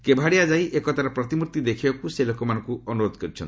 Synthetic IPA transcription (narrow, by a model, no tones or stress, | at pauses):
kebʱaɽijad͡ʒajʔekɔt̪aɾɔpɾɔt̪imuɾt̪id̪ekʰibakuselokɔmanɔ̃ŋkuɔnuɾod̪ʱɔkɔɾit͡ʃʰɔn